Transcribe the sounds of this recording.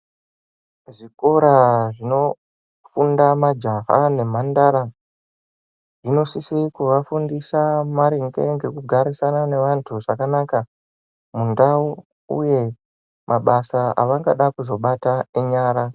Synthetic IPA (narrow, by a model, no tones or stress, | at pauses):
ʐiko̞ɾaʐino̞ | fundamad͡ʒaɦa̰ne̞m̤andaɾa | ʐino̞sisikuʋafundisamaɾiŋɡe̞ŋɡe̞kuɡʱaɾisanane̞ʋantʰuʐakanaka | mundau | ṵje̞ | mʔaɓasaa̰ʋaŋɡaɗakuzo̞ɓataeɲaːɾa